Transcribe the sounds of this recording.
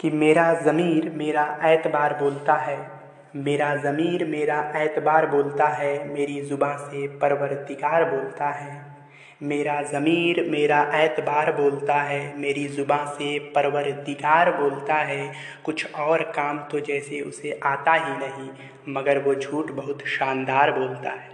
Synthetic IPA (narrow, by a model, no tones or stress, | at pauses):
kimeːɾazəmiːɾmeːɾaʔɛːt̪baːɾboːlt̪aɦɛː | meːɾazɐmiːɾmeːɾaʔɛːt̪baːɾboːlt̪aɦɛmeːɾizʊbãsepəɾwəɾd̪ikaːɾboːlt̪aɦɛː | meːɾazɐmiːɾmeːɾaʔɛːt̪baːɾboːlt̪aɦɛmeːɾizʊbãsepəɾəʋəɾd̪ikaːɾboːlt̪aɦɛ | kʊt͡ʃʰɔːɾkaːmt̪od͡ʒɛːseʊ̰seʔaːt̪aɦinɐɦĩ | məɡəɾʋod͡ʒʱuːʈbəɦʊt̪ʃaːnd̪aːɾboːlt̪aɦɛː